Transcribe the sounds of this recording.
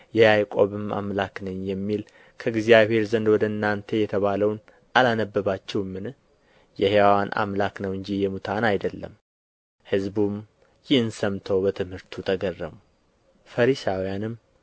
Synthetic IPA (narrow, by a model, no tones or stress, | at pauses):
jɛjajkʷʼoβɨma̰mlaknɨɲjɛmːil | kʰəɡzijaβhe̞ɾzənd̪wɔd̪əɨnːant̪ʰejɛt̪ʰəβaləwn | ʔalanəbːəβat͡ʃːɛwmːɨn | jɛhewawanʔa̰mlaknəwɨɲd͡ʒijɛmut̪ʰanajd̪əlːə̰m | hɨzbum | jɪhɨnsəmt̪ʰowbət̪ʰɨmhɨɾt̪ʰut̪ʰəɡərːəmu | fəɾisawijanɨm